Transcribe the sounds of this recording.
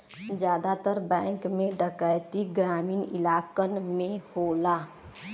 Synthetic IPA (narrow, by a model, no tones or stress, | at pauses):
d͡ʒjaːd̪at̪əɾbɛ̃ːŋkmẽɖəkəjt̪iɡɾaːmiːnḭlaːkənmẽhola